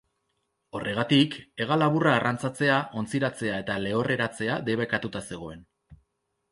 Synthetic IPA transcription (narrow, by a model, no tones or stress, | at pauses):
o̞rʔe̞ɣ̞at̪ike̞ɣ̞alaβuraːrʔant͡sat͡se̞aʔo̞nt͡siɾat͡se̞ae̞t̪ale̞o̞rʔe̞ɾat͡se̞ad̪e̞β̞ekat̪ut̪ase̞ɣ̞o̞e̞n